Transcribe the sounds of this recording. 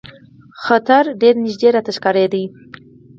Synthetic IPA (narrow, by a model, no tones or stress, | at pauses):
xat̪aɾɖeɾnɪʒd̪eɾat̪aʃkaɾed̪i